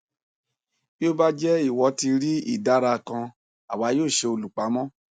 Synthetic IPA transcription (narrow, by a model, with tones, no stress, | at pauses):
bi˦o˦ba˦d͡ʒɛ˦i˦˨wɔ˨˦ti˧ɾi˦ḭ˦˨da˦ɾa˧˨kã˧ | a̰˨wa˨˧˦joː˦˨ʃe˧o˧lu˨k͡pa˨˦mɔ̃˦